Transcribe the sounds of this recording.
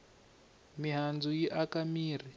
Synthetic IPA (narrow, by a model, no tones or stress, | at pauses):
miɦand͡zujiʔakamiːr̤i